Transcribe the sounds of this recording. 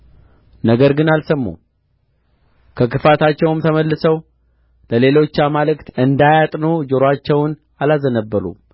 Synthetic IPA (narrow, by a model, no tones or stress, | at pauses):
nəɡəɾɡɨnalsəmːṵ | kʰəkɨfat̪at͡ʃːɛwɨmt̪ʰəməlːɨsəw | ləle̞lo̞t͡ʃːamalɨkt̪ɨnd̪ajat̪ʼnod͡ʒoɾat͡ʃːɛwn | alazənəbːəɾṵ